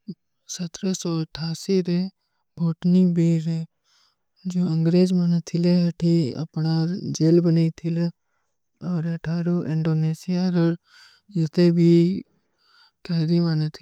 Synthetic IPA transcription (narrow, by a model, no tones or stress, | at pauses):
sət̪ɾəsoːɐʈʰːaːsiɾe | bʱoːʈnibiːɾe | d͡ʒoːɐŋɡɾeːd͡ʒmənt̪ʰɪleɦɐʈʰiɐ̰pnad͡ʒelbənait̪ʰɪl | ɔːɾɐʈʰaːɾoʔɪ̃ɳɖoːneːsijaɾəɾ | d͡ʒɪt̪ebʱiː | kɛːɾimənt̪ʰ